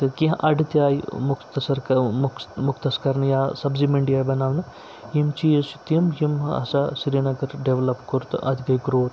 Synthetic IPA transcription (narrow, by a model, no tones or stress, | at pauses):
t̪ɨkiɦʔɐɖt̪ʲaːjmukʰt̪ɐsɐɾkɐmmukʰt̪ɐskɐɾnjaːsɐbzimeɳɖijaːjbɐnaːʋnɐ | jimt͡ʃiːsit̪mjimɐ̰sasiɾinɐɡɐɾɖeʋlɐpkoɾt̪ʔɐ̰d̪iɡɐjɡɾoːt̪